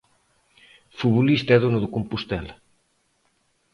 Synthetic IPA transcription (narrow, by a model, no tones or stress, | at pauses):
fuβolist̪ɛðonʊðʊkompust̪ɛl